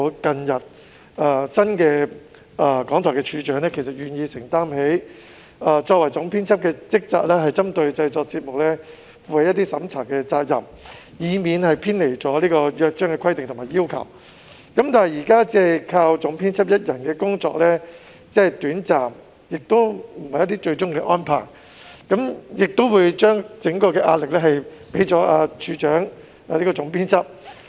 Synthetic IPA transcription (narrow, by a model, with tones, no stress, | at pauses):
kɐ˧njɐ˨t̚ | ɐː˧sɐ˥nkɛː˧ | ʔɐː˨˩kɔː˨˥ŋt̪ʰɔː˨˩kɛː˧t͡ʃʰyː˨˧t͡ʃœː˨˥ŋnɛː˥kʰe˨˩sɐ˨˩t̚jyː˨njiː˧sɪ˨˩ŋt̪aː˥mɦe˨˥j | ɐː˧t͡ʃɔː˧k̚wɐ˨˩jt͡sʊ˨˥ŋpʰiː˥nt͡sʰɐ˥p̚kɛː˧t͡sɪ˥k̚t͡sa̰ː˧t̚lɛː˥ɦɐ˨jt͡sɐ˥mt̪ɵ˧ɥt͡sɐ˧jt͡sɔː˧k̚t͡siː˧t̚mʊ˨k̚lɛː˥ | fuː˧hɐ˨˧jɐ˥t̪i˥sɐ˨˥mt͡sʰaː˨˩ŋkɛː˧t͡saː˧k̚jɐ̰˨˩m | jiː˨˧miː˨˧nhɐ˨jpʰiː˥nle˨˩jt͡sɔː˨˥liː˥kɔː˧jœː˧k̚t͡ʃœː˥ŋkɛː˧kʰɐ˥jt̪ɪ˨ŋt̪ʰmaː˨˩jiː˥wkʰɐ̰˨˩w | kɐ˨˥mt̪aː˨nɦjiː˨˩kaː˥t͡sɛː˥˨kʰaː˧wt͡sʊ˨˥ŋpʰiː˥nt͡sʰɐ˥p̚jɐ˥t̚jɐ˨˩nkɛː˧kʊ˥ŋt͡sɔ̰ː˧˥k̚lɛː˥ | t͡sɛː˥˨˩t̪yː˨˥nt͡saː˨m | jɪ˨k̚t̪o˥wm̩˨˩hɐ˨˩jɐ˥t̪̬iː˥t͡ʃɵ˧ɥt͡sʊ˥ŋkɛː˧ʔɔː˥npʰaː˨˩ŋ | kɐ˨˥mjɪ˨k̚t̪o˥wuː˨˧jt͡ʃœː˥ŋt͡sɪ˨˥ŋkɔː˧kɛː˧ʔaː˧t̚lɪ˨k̚lɛː˥ɦɐ˨jpe˨˥jt͡sɔː˨˥ʔaː˧t͡ʃʰyː˨˧t͡ʃœː˨˥ŋ | a˧liː˥kɔː˧t͡sʊ˨˥ŋpʰiː˥nt͡sʰɐ˥p̚